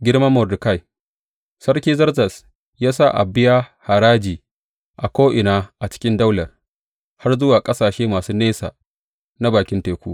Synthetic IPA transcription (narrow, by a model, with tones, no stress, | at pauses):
ɡʲɪ˦ɽmɐ˦mːɔ˨rdʊ˨ka˦˨j | sɐ˦rkʲiː˦zɐ˦rzɐ˨s | jaː˦sa˦˨ʔa̰˨bɪ˦jaː˦ha˨ɾaː˦d͡ʒiː˨ | ʔa˨kʷoː˦ʔɪ˨naː˦ʔa˨t͡ʃɪ̥˦kʲɪ˦nda˦wlɐ˨r | ha˦rzʊ˦waː˨kʼɐ˦saː˨ʃeː˦maː˨suː˦neː˦sa̰˨ | na˦baː˨kʲɪ˦nteː˨kʷṵ˦